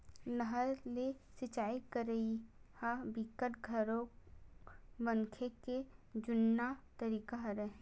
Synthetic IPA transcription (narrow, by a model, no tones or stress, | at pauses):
nəɦəɾlesɪt͡ʃaːikəɾəihabikəʈɡʱəɾo | bə̃nkʰeked͡ʒʊnːat̪əɾiːkaɦɾɛ